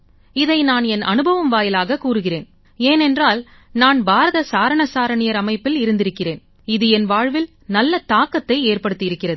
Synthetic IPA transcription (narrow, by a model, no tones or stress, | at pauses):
ɪðɐɪnaːnɛnʔɐ̰nɯbɐʋɐmʋaːjɪlaːɣɐkuːɾɯɣɪreːn | eːnɛndraːl | naːnbʱaːɾɐðɐsaːɾɐɳɐsaːɾɐɳɪjɐɾɐmɐɪpːɪlɪɾɯnd̪ɪɾɯkːɪreːn | ɪðɯɛnʋaːɻʋɪl | nɐlːɐt̪aːkːɐt̪ːɐɪeːrpɐɽɯt̪ːɪɪɾɯkːɪrɐðɯ